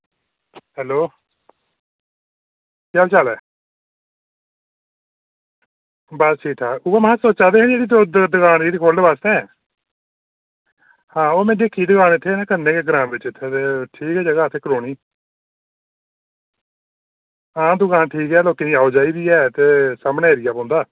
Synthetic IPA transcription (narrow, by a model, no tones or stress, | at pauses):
hɛːloː | kaːbit͡ʃəlɛː | bəsʈʰiːkʈ̪ʰaːʊʋəmɦasoːt͡ʃaːd̪eːɦə̃nd͡ʒeːɽiːd̪d̪d̪ʊkʰaːneːiːkʰoːld̪ebaːst̪ɛ̃ː | hãːoːmɛ̃ːd̪eːkʰiːd̪əkaːnɪt̪ʰːeːnãːkənːẽːkeːɡɾãːmʋɪt͡ʃɪt̪ʰːeːt̪eːʈʰiːkɛːd͡ʒəɡaːət̪ʰːeːkəɾoːniː | ãːd̪ʊkãːnʈʰiːkɛːloːkeːniːaːod͡ʒaːiːbiːɛːt̪eːsaːmneːeɾɪjaːpãːnd̪aː